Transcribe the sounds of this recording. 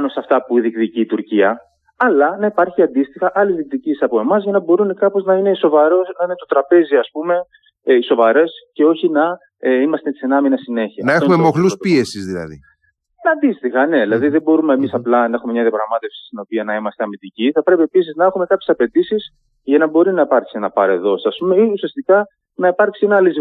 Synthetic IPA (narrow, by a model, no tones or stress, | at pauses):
ɐnosɐft̪ɐpuðikt̪iciːt̪uɾciɐ | ɐlɐnɐipɐɾçiɐnd̪ist̪ixɐʔɐlizðik̚t̪icisɐpo̞emɐzʝɐnɐbo̞ɾunekɐpo̞znɐine̞so̞vɐɾo̞snɐine̞t̪o̞t̪ɾɐpe̞ziɐspume̞ | iso̞vɐɾe̞sce̞o̞çinɐ | imɐst̪esenɐminɐsine̞çiɐnːɐeoumemoxluspie̞sizðilɐ̰ðḭ | nɐnd̪ist̪ixɐne̞ðilɐðiðe̞bo̞ɾumeemisɐplɐnɐe̞xume̞mɲɐðiɐpɾɐɣmɐt̪e̞fsi̥st̪ino̞piɐnɐimɐst̪e̞ɐmit̪iciθɐpɾe̞piepisiznɐe̞xume̞kɐpçesɐpe̞d̪isis | ʝɐnɐbo̞ɾinɐipɐɾksie̞nɐpɐɾe̞ðo̞sɐspume̞iusiɐst̪ikɐ | nɐipɐɾksie̞nɐliz